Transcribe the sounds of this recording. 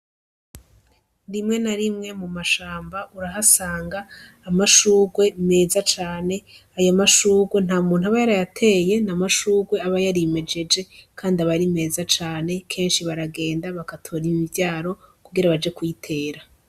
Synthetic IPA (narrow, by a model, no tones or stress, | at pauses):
ɾimŋe̞naɾimŋe̞mumaʃaːmbaʔuɾaɦasaːŋɡaː | maʃuːɡwe̞me̞ːzat͡ʃaːne̞ | ajamaʃuːɡwe̞n̥haːumuːn̥huaβajaɾajatʰe̞je̞namaʃuːɡwe̞aβajaɾime̞d͡ʒe̞d͡ʒe̞kʰaːndiaβaɾime̞ːzat͡ʃaːne̞kʰe̞ːnʃiβaɾaɡe̞ːndaβakatʰo̞ːɾimivjaːɾo̞kuɡiɾaβad͡ʒe̞kuitʰe̞ːɾa